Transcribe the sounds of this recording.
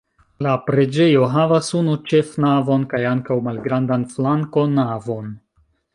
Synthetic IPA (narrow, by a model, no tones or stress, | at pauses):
lapɾe̞d͡ʒe̞jo̞ɦavasunut͡ʃe̞fnavo̞nkajaŋkawmalɡɾandanflaŋkonavo̞n